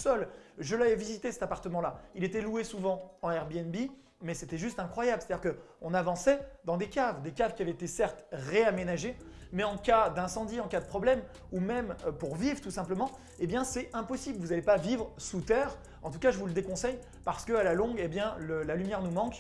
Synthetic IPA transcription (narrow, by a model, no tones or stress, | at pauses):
sɔlʒəlaɛvizit̪esɛ̥t̪apaʁt̪əmɑ̃lailet̪ɛluesuvɑ̃ɑ̃ɛʁbiɛnbi | mɛset̪ɛʒyst̪ɛ̃kχwajablse̥t̪ad̪iʁkə | ɔ̃navɑ̃sɛd̪ɑ̃d̪ekavd̪ekavkʲiavɛet̪esɛʁt̪ʁeamenaʒemɛɑ̃kad̪ɛ̃sɑ̃d̪iɑ̃kad̪əpχɔblɛm | umɛmpuʁvivʁt̪usɛ̃pləmɑ̃ | ebjɛ̃sɛɛ̃pɔsibləvuzalepavivʁəsut̪ɛʁ | ɑ̃t̪ukaʒəvuləd̪ekɔ̃sɛj | paʁsə̥kəalalɔ̃ɡebjɛ̃ləlalymjɛʁnumɑ̃k